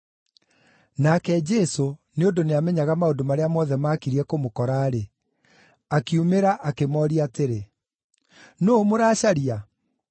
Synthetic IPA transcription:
nakɛd͡ʒɛsoneondoneamɛɲaɣamaondomaɾeamɔðɛmaːkiɾiɛkomokɔɾaːɾe | akiumeɾaʔakemɔːɾiateɾe | nomoɾaːɕaɾia

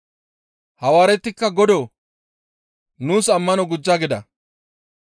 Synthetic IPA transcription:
hɐwaːɾɛt̪ːɪkːɐɡɔd̪oː | nuːsɐmːɐnɔɡʊd͡ʒːaːɡɪd̪ɐ

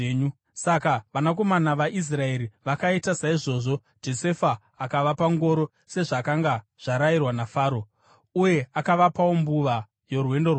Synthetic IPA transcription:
ɲu | sakaʋanak̬o̞manaʋaʔis̬rae̞ɾiʋakaitasaiʐo̞ːʐo̞ | d͡ʒo̞se̞faː | kaʋapaŋɡo̞ɾo̞ | se̞ʐakaŋɡa | ʐ̥aɾairwanafaːɾo | uje̞akaʋapawombuʋa | jo̞rwe̞ndo̞w

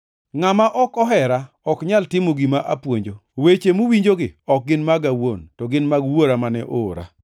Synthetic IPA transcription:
ŋamaʔɔkɔɦɛɾa | ɔkɲaltɪmoɡimaʔapwoɲd͡ʒowet͡ʃemuwiɲd͡ʒoɡɪɔk̚ɡɪnmaɡawontɔɡɪnmaɡwoɾamanɛʔoɾa̰

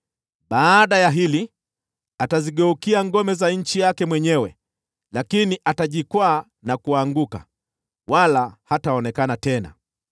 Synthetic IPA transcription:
ɓaːɗajaɦili | ataziɠɛukiaŋɡɔmɛzaɲ̩t͡ʃijakɛmwɛɲɛwɛ | lakiniʔataʄikwaː | nakuaŋɡuka̰ | walahataɔnɛkanatɛna̰

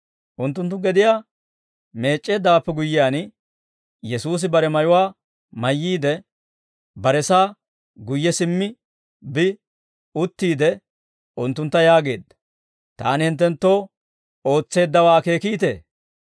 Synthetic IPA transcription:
ʔʊnt̪ːʊnt̪̬ːʊɡɛd̪ɪjaː | me̞ːt͡ʃʼːe̞ːd̪aːpːɛɡʊjːɪjaːn | jɛsuːs̬ɪbɐɾɛmɐjʊwaː | mɐjːiːd̪ɛ | bɐɾɛsaː | ɡʊjːɛsɪmːɪ | bɪ | ʊt̪ːiːd̪ɛ | ʊnt̪ːʊnt̪ːɐjaːɡe̞ːd̪ːɐ̥ | t̪a̰ːnɪhɪnt̪ːɛnt̪ːo̞ː | o̞ːt͡sːe̞ːd̪ːɐwaːke̞ːkiːt̪ḛː

